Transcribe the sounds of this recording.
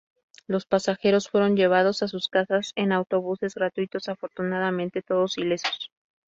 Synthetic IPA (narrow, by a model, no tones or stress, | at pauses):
lo̞spasaxe̞ɾo̞sfwe̞ɾo̞nʝe̞β̞að̞o̞sasuskasase̞nawt̪o̞βuse̞zɣɾat̪wit̪o̞safo̞ɾt̪unaðamẽnt̪e̞t̪o̞ðo̞sile̞so̥s